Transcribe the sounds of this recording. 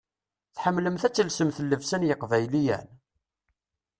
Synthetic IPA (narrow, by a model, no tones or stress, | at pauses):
θħəmːləmθæt͡sːəlsəmθəlːəvsænjəqvæjlijæ̰n